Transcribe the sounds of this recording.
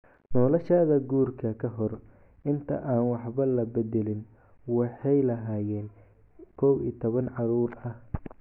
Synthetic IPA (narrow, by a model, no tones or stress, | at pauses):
nɔːlɔʃaːðɐɡuːrkʰɐkʰɐɦɔr | ʔɪnt̪ʰɐ̰ʔaːnwɑħβɐlɐbɛd̪ɛlɪn | wɑħɑjlɐɦaːjɛːn | kʰɔwḭːt̪ʰɔβɐnʕɑɾuːɾɐh